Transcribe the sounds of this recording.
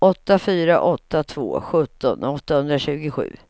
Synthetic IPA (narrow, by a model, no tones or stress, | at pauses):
ʔɔt̪ːafyːɾa̰ʔɔt̪ːat̪ʰvo̰ːɧɵt̪ːɔ̰nɔt̪ːahɵnd̪ɾaɕʉ̟ːɡɪɧʉ̟ː